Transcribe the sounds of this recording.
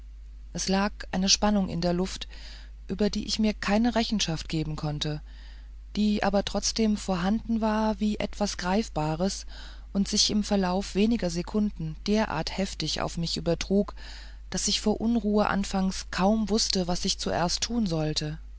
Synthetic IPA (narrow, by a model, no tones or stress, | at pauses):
ʔɛslaːkʔaɪnəʃpanʊŋʔɪ̰ndeːɐlʊft | ʔyːbɐdḭːʔɪçmiːɐkʰaɪnəʁɛçn̩ʃaftɡ̥eːbm̩kʰɔntə | d̥iːʔa̰ːbɐtʁ̥ɔt͡sd̥eːmfoːɐɦandn̩vaːɐviːʔɛ̰tv̥asɡ̥ʁaɪfb̥aːʁ̞əs | ʔʊntz̥ɪçɪmfɛɐlaʊfv̥eːnɪɡɐzekʰʊndn̩d̥eːɐʔa̰ɐthɛftɪça̰ʊfmɪçʔyːbɐtʁ̥uːk | d̥asɪçfoːɐʔʊnʁuːəʔa̰nfaŋskʰaʊmvʊstəvasɪçt͡suʔḛːɐstʰːuːnzɔltʰə